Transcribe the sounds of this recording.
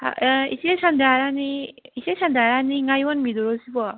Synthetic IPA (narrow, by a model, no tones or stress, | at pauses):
a̰ḭsiesʰandaɾaniisesʰandaɾaniŋajwɔnmid̪uɾɔsibɔa